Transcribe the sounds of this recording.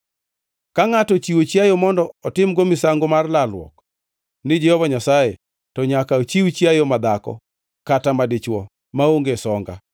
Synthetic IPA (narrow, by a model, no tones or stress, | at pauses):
kaŋatɔt͡ʃiwot͡ʃjajomɔndɔɔtɪmɡomɪsaŋɡomarlalwɔ̰k | nɪd͡ʒɛhɔvaɲasaje | tɔɲakaot͡ʃiwt͡ʃjajomad̪akɔ̰ | katamadɪt͡ʃwɔ | maoŋɡesɔŋɡa̰